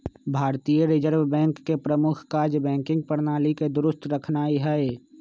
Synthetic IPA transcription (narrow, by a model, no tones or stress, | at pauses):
bʱaːɾt̪ijəɾɪd͡ʒəɾbbɛ̃ːŋkːepɾəmʊkʰkaːɾd͡ʒbɛ̃ːŋkɪ̃ŋɡ̚pəɾnaːliked̪ʊɾʊst̪ɾəkʰnaːiɦɛe